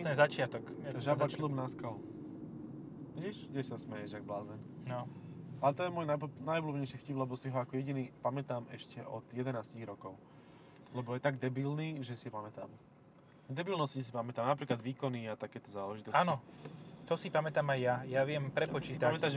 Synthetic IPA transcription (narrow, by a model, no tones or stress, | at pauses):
nɛzat͡ʃɪat̪ɔkɛʒabaslubnaskalu | ɟɛʃɡɟɛsasmɛjɛʒaɡ̚blaːzɛnnɔalɛt̪ɔjɛmɔːjnanajublubɲɛɪjʃiːxciːblɛbɔsiɦɔakɔjɛɟiniːpamɛt̪aːmɛʃcɛʔɔd̪̥jɛd̪ɛnaːsciɣɾɔkɔʊ | lɛbɔjɛt̪aɡd̪ɛbilniːʒɛsipamɛt̪aːm | d̪ɛbilnɔscis̬ipamɛt̪aːmnapɾiːklad̪ʋiːkɔniat̪akɛːt̪ɔzaːlɛʒit̪ɔsaːnɔt̪ɔsipamɛt̪aːmajːajaʋɪɛmpɾɛpɔt͡ʃsiːip̪t̪amɛt̪aʒ